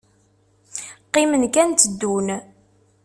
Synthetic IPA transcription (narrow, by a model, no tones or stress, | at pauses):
qːimənkænt̪əd̪ːun